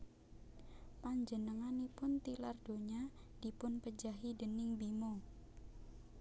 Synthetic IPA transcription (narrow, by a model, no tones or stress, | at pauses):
paɲd͡ʒənəŋanipʊnt̪ilard̥oɲad̥ipʊnpəd͡ʒaɦidənɪŋbimo